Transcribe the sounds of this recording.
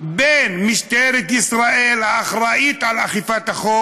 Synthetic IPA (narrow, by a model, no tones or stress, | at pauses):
benmiʃt̪eɾet̪isʁaʔelhaːχɾaʔit̪alaχifat̪aχo